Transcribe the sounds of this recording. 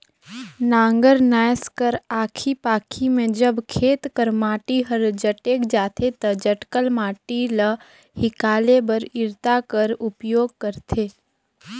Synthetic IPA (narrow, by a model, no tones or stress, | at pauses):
nãːŋɡəɾnaːjskəɾaːkʰipaːkʰimẽd͡ʒəbkʰeːt̪kəɾmaːʈiɦəɾd͡ʒəʈeːkd͡ʒaːt̪ʰet̪ɐd͡ʒəʈkəlmaːʈilə | hɪkaːlebəɾɪɾt̪akəɾʊpjoːɡ̚kəɾt̪ʰeː